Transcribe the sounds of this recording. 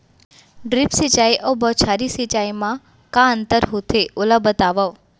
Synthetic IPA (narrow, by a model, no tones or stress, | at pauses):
ɖɾipsit͡ʃaːiʔəbɔt͡ʃʰaɾisit͡ʃaːimã | kãənt̪əɾɦut̪ʰeʔʊləbət̪aːʋəʋ